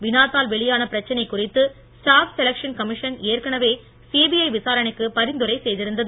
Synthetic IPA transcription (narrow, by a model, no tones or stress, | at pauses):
ʋɪnaːt̪aːlʋɛɭɪjaːnɐpɪɾɐt͡ʃːɐnɐɪkːʊrɪt̪ːɯ | sʈaːfsɛlɐkʂɐnkɐmɪʂɐneːrkɐɳɐʋeː | siːbiɐɪʋɪsaːɾɐɳɪkːɯpɐɾɪnd̪ɯɾɐɪsɛjðɪɾɯnd̪ɐðɯ